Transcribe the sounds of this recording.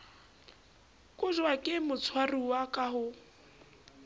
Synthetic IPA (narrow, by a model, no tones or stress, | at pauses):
kʼʊʒwakʼɪmʊt͡sʰwariwakʼaɦʊ